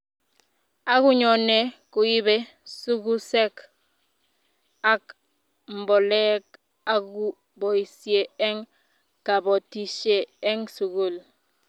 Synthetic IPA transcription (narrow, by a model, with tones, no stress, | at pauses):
a˦ku˦ɲo˨ne˦ku˨ji˦be˦ | su˦ɡu˦se˦k | a˦k | m̩˨bo˨le˦k | a˨ɡu˦ | bo˨i˨siee˦ŋ | ka˨bo˨ti˨ʃe˨e˦ŋsu˨ɡu˦˨l